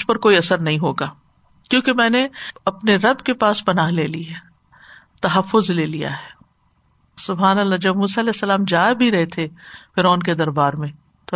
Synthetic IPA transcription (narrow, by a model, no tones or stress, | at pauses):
d͡ʒpɐɾkoːiɐsəɾnɐɦĩɦoːɡaː | kjõːkemɛ̃ːneɐpneɾɐbkepaːspɐnaɦleːliɦɛː | t̪ɐɦɐfːʊzleːlija̰ɦɛː | sʊbɦaːnɐlːaːd͡ʒɐbmuːsaɐlɛːɦsːɐlaːmd͡ʒaːbʱiɾɐɦet̪ʰefɪɾɔːnk̬ed̪ɐɾbaːɾmẽː | t̪o